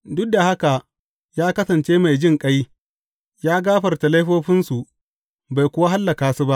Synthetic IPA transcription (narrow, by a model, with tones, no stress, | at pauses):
dʊ˦k̚da˨ha˦ka˨ | jaː˦kɐ˦sɐ˨nt͡ʃeː˦ma˨jd͡ʒɪ˦˨ŋkʼɐ˦j | jaː˦ɡaː˦ɸɐ˨rta˨la˦jɸoː˦ɸɪ˦nsu˨ | ba˨jkʷʊ˦wa˦ɦa˦lːɐ˨kaː˨su˦ba˦ʔ